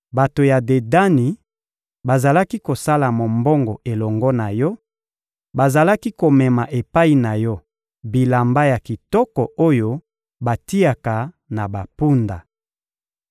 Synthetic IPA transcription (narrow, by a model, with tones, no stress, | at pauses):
ba˨to˨ja˨de˨da˦ni˨ | ba˨za˨la˦ki˦ko˨sa˦la˨mo˨mbɔ˦ŋɡɔ˨ʔe˨lɔ˨ŋɡɔ˦na˨jɔ˦ | ba˨za˨la˦ki˦ko˨mɛ˨ma˨ʔe˨pa˦i˨na˨jɔ˦ | bi˨la˨mba˦ja˨ki˨tɔ˦kɔ˨o˦jo˦ | ba˨ti˦a˨ka˨ | na˨ba˨pu˦nda˨